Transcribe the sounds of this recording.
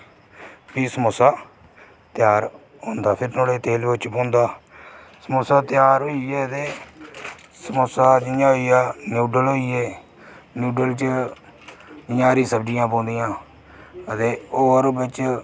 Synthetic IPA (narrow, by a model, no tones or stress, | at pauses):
piːsəmosaː | t̪ɪjaːɾ | ɦõːnd̪aːpʰɪɾnoːɽeːt̪eːlt͡ʃpõːnd̪aː | səmoːsaːt̪ɪjaːɾɦoːiːɛːət̪eː | səmosaːd͡ʒɪjãːɦoiːjaːnjuːɖəlɦoːiːɛː | njuːɖəlt͡ʃ | d͡ʒɪjãːɾĩːsəbd͡ʒɪjãːpõːnd̪ɪjãː | ət̪eːoːɾbɪt͡ʃ